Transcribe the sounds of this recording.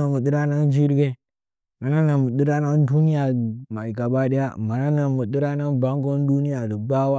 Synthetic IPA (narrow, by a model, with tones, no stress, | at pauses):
a˨mu˨di˦ɾa˦na˦n˦d͡ʒi˦ɾɡe˦ | ma˨na˦na˨mu˨ɗi˦ɾa˦na˦n˦du˦ni˦ja˨ma˨i˨ka˨ba˦ɗe˦ja˦ma˨na˦na˨mu˨ɗi˦ɾa˦na˦nba˦ŋɡo˦n˦du˦ni˦ja˨də˨ba˦wa˦